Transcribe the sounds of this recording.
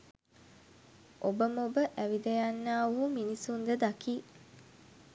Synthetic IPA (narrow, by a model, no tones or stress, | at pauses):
ʔobəmobəʔæʋid̪ejanːaːuɦuminisund̪əd̪akiː